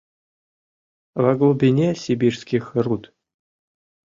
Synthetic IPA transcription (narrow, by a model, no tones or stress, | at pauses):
vɐɡlˠubʲinʲesʲibʲirsʲkʲixʲrut̪